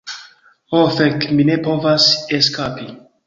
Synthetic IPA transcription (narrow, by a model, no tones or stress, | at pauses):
ofekminepo̞vaseskapi